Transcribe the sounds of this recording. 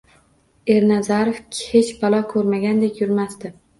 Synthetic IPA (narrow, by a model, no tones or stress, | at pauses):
e̞ɾnazaɾofhet͡ʃbɒlˠɒkʰɵɾmaɡʲand̪ekʲjʊɾmast̪ɪ